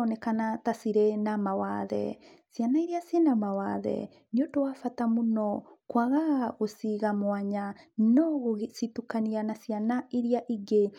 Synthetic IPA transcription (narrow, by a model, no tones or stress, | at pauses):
ɔnɛkanatasiɾenamawa̰ðɛ̰sianaiɾiasenamawaðɛ̰ | ɲotowafatamunɔkwaɣaɣosiɣamwaɲanɔɣositukanianasianaiɾiaʔiɡe